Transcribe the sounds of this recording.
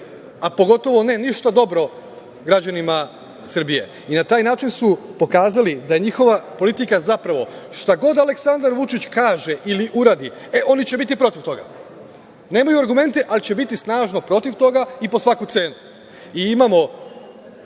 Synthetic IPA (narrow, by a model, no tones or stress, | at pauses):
apo̞ɡo̞t̪o̞ʋo̞ne̞niʃt̪ad̪o̞bɾo̞ | ɡɾad͡ʑanima | sr̩bije̞̰ | inat̪aːjnaːt͡ʃinsupo̞kaːzalid̪aje̞ɲixo̞ʋapo̞lit̪ikazapɾaʋo̞ʃt̪aɡo̞d̪ale̞ksand̪aɾʋut͡ʃit͡ɕkaːʒe̞ʔiliʔuɾaːd̪i | eʔo̞nit͡ɕe̞bit̪̬ipɾo̞t̪iʋt̪o̞ɡa̰ | ne̞ːmajuaɾɡume̞nt̪eʔalit͡ɕe̞bit̪isnaːʒno̞pɾo̞t̪iʋt̪o̞ɡaipo̞sʋakut̪se̞ːnu | iimamo̞